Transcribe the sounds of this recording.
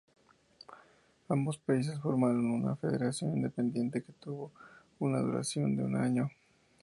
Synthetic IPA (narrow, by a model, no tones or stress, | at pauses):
ambo̞spais̬e̞sfoɾmaɾo̞nuna̰fe̞ðeɾasjo̞nind̪epe̞nd̪je̞nt̪e̞ke̞̥t̪uβo̞ | unaðṵɾa̰sjo̞nd̪eṵnaɲo̞